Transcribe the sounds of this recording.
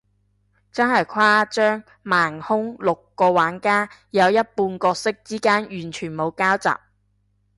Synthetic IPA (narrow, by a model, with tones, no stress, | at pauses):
t͡sɐ˥nɦɐ˨jkʰwaː˥t͡ʃœː˥ŋ | maː˨˩ŋhʊ˥ŋlʊ˨kːɔː˧waː˨˥nkaː˥jɐ˨˧wjɐ˥t̚puː˧nkɔː˧k̚sɪ˥k̚t͡siː˥kaː˥njyː˨˩nt͡ʃʰyː˨˩nmo˨˧wkaː˥wt͡sa̰ː˨p̚